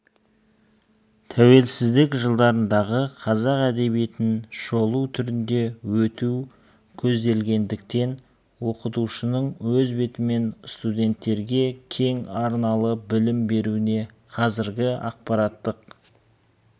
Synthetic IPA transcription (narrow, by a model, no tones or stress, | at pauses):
t̪ʰæwe̞lsɪzd̪ɪkʒəlˠd̪ɑɾənd̪ɑʁəqʰɑzɑqæd̪e̞βije̞t̪ɪnʃo̞lˠuwt̪ʰʏɾɪnd̪e̞wɵt̪uw | kʲʰɵzd̪e̞lɡʲe̞nd̪ɪk̚t̪e̞n | wo̞qət̪uʃənəɴwɵzbe̞t̪ɪme̞nst̪ud̪ʲe̞nt̪ːe̞ɾɡʲe̞kʲʰe̞ŋɑɾnɑlˠəbɪlɪmbe̞ɾuɪne̞ | qʰɑzɪɾɡʲɪɑ̰q̚pɑɾɑt̪ːəq